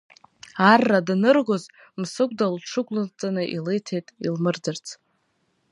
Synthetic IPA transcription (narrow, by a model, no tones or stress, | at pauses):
arːadnɨrɡʷoz | msɨkʷʼdalʈ͡ʂʰɨɡʷʼlɨt͡sʼanɨʔilejtʰejtʼilmɨrdɨrt͡sʰ